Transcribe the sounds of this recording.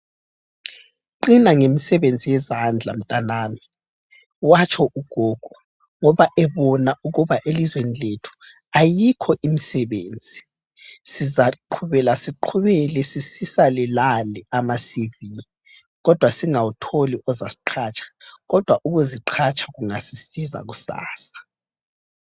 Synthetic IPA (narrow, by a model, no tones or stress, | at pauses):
ǃinaŋemisɛβend͡zʱijɛzand͡ɮʱa̰m̩tʼanaːmi | wat͡ʃʼʰɔʔuɡ̥ʱoːɡ̥ʱu | ŋɔβaʔɛβɔnauɣuβaʔelizweniletʰu̥ | ajikʰɔʔimisɛβeːnd͡zʱi | sizaǃʰuβɛlasiǃʰuβɛlɛsisisalɛlalɛamasivi | ɣɔd̥ʱwasiŋawutʰoliʔɔzasiǃʰaːt͡ʃʰʼḁɣɔd̥ʱwaʔuɣuziǃʰat͡ʃʼʰḁɣuŋasisiza̰ɣusa̰ːsḁ